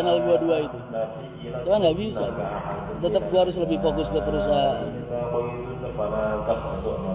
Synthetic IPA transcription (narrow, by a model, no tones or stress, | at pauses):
analduaduait̪u | t͡ʃumanŋɡabisa | t̪ət̪əp̚ɡuaaɾʊsləbɪhfokʊskəpəɾusaɦʔan